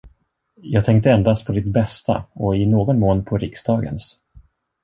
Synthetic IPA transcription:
jɑːɡ̚t̪ʰɛŋk̚t̪əɛnd̪ast̪̚pʰɔd̪ɪt̪̚bɛst̪a̰ɔɪnoːɡɔnmoːnpʰɔɾɪksd̪ɑːɡə̰ns

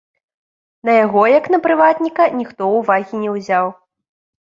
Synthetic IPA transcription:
nɐjaɣɔjɐknɐpɾɨvat̪nʲikɐnʲixt̪ɔuvaɣʲinʲɛwzʲaw

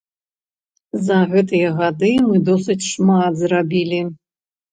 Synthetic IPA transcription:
zɐɣɛt̪̬ɨjɐɣad̪ɨmɨd̪ɔsɨt͡sʲʂmat̪zrabʲilʲi

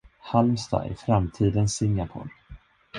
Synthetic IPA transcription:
halmst̪ɑ̰ːʔæ̰ɾfɾamt̪ʰiːd̪ənsɪŋːapʰɔ̰ːɾ

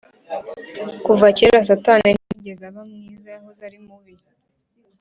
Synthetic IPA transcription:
kuvaceɾas̬ataneniɟezaβamŋiːzahozaɾimuβiɾ

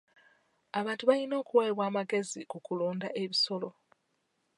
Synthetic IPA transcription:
aβaːntuβalino̞ːkuweːβwaːmaɡe̞zikukuluːndaʔe̞βiso̞lo̞

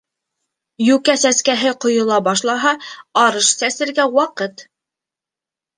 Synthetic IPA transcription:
jʉkæsæskæɦɘqŏjŏlˠɑbɑʃlˠɑɦɑɑɾɤʃsæsɘ̆ɾɡæwɑqɤt̪

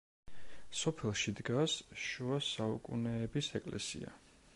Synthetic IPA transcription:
sɔpʰɛlˠʃid̪ɡasʃuasaukʼṵnɛːbisɛkʼlɛ̰sḭa̰

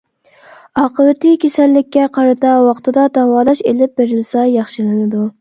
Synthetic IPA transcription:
ɑːqʰəwɪt̪ʰɪkʲʰesɛlːɪkʲːɛqʰɑɾɨt̪ɑwɑqt̪ʰɨd̪ɑd̪ɑwɑːd̪ɑʃelɪp̚beɾɪlsɛjɑχʃɨlˠɨnɨd̪u

